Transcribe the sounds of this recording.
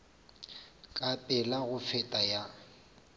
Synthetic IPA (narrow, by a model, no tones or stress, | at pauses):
kʼapʼɛlaɣʊfɛtʼaja